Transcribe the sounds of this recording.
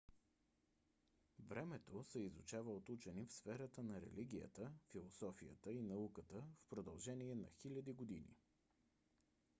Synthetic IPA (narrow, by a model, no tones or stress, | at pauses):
vɾɛmɛt̪osɛizut͡ʃavəot̪ut͡ʃɛnifsfɛɾət̪ənɐɾɛ̰liɡʲijə̰t̪əfilˠosɔfijə̰t̪əinɐukət̪əfpɾod̪əlˠʒɛniɛnɐ̰xilʲɐd̪iɡod̪inḭ